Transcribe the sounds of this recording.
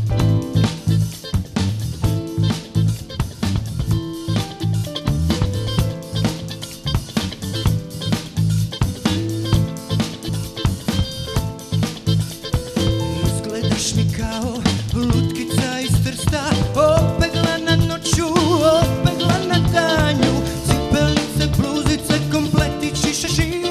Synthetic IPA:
sklɛd̪aʃnikallut̪kit͡saist̪ɾst̪aɔbɛɡlananɔt͡ʃjuɔbɛɣlanad̪aɲusipɛlɲit͡sɛpluːzit͡sɛkɔmplɛt̪it͡ʃiʃaʃi

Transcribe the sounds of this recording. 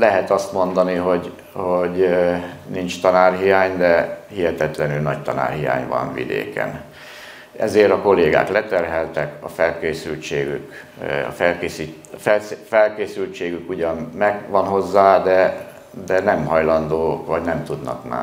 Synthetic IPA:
lɛɦɛt̪ɒst̪mo̞nd̪ɒniɦo̞ɟ | hoɟ | nint͡ʃt̪ɒnaːrɦijaːɲd̪ɛhiɦɛt̪ɛt̪lɛnylnɒct̪ɒna̰ːrhija̰ːɲvɒ̰nvḭd̪ḛːkɛ̰n | ɛ̰zeːɾɒko̞leːɡa̰ːklɛt̪ɛrɦɛlt̪ɛkɒfɛlkeːsylt͡ʃeːɡy̰k | ɒ̰fɛlkeːsi | fɛfɛlkeːsylt͡ʃeːɡykuɟɒnmɛɡʋɒnɦo̞zːaːd̪ɛ | d̪ɛnɛmɦɒjlɒnd̪oːʋɒɟnɛmt̪ud̪nɒ̰kma̰ː

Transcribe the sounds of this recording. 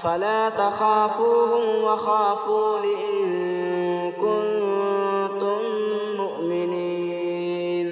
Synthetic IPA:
falaːt̪axaːfuːhʊmwaxaːfuːlɪʔɪɪn | kʊn | t̪ʊmː | ʊʔmɪniː | n

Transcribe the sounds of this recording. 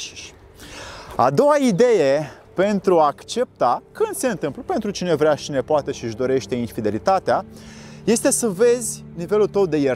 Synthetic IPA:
a̰d̪o̞waid̪e̞je̞ | pe̞nt̪ɾuaːkt͡ʃe̞p̚t̪akɨnd̪̥se̞ɨnt̪ɨmpləpe̞nt̪ɾut͡ʃine̞vɾeaʃt͡ʃine̞poat̪e̞ʃiʒd̪o̞ɾe̞ʃt̪e̞infid̪e̞lit̪at̪eaje̞st̪e̞səve̞zʲ | nive̞lut̪əwd̪e̞je

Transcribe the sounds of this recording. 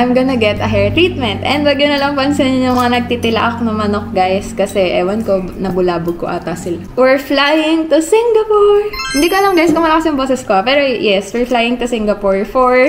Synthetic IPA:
ʔajmɡɐnɐɡɛt̪ɐɦɛɹt̪ɾiːt̪̚mɛnt̪ʔɛnd̪wɐɡjʊnɐlɐŋpɐnsɛnɲʊŋmɐŋanɐɡ̚t̪iːt̪ɪlɐ̰ʔɐk̚nɐmɐnok̚ɡajskɐsɛʔɛwɐnkonɐbʊlaːbʊɡ̚koʔa̰ːt̪ɐsɪlawɛɹflajɪŋt̪ʊsɪŋɡɐpoɹhɪnd̪iːkoɐlɐŋɡajskomɐlakɐsjʊŋboːsɛskoɐpɛːɾojɛswɛɹflajɪŋt̪ʊsɪŋɡɐpoɹfoɹ

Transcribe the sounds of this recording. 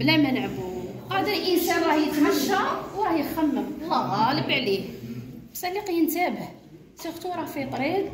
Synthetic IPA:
blæmænʕbu | qæd̪ælʔənsænɾˤɑhjət̪mæʃːæwɾˤɑhjəxæmːəmlɑt̪ˤɑləbʕlihbsæliqjənt̪æbəh | sixt̪uɾˤɑfit̪ˤɾib̪

